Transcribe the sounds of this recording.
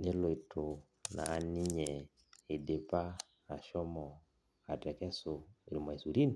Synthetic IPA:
ne˦lo˨i˨tʰo˨ | na̰ː˨ni˦ɲɛ˨ | i˨de˨pa˦ | a˨ʃɔ˦mɔ˨ | a˨tɛ˨kɛ˦so˨ḭ˨lu˨ma˨i˨su˨ɾi˦ni˨

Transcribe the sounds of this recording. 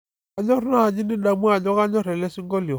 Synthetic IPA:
a˨ɲɔ˦ɾna˦a˨ɲi˦ni˦da˨mu˦a˦˨ɲɔ˦ka˦ɲɔ˦ɾɛ˨lɛ˦si˦ŋɡɔ˦ljɔ˨

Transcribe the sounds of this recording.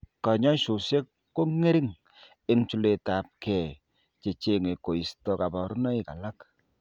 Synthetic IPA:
ka˨ɲɔ˦ʃu˨se˦kːo˦ŋe˦ɾi˦ŋ | e˦ŋt͡ʃu˦le˨ta˨p̚kɛ˨ | t͡ʃe˨t͡ʃe˦˨ŋe˨ko˨i˨stɔ˨ka˨bɔ˨ɾu˦nɔ˦i˨ka˨la˦k

